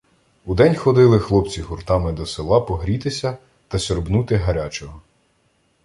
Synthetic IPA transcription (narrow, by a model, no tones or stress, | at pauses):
ud̪ɛnʲxɔd̪ɪlˠɪxlˠɔp̚t͡sʲiɦurt̪ɑmɪd̪ɔselˠɑpɔɦɾʲit̪ɪsʲɐ | t̪ɐsʲɔɾbnut̪ɪɦɐɾʲat͡ʃɔɦɔ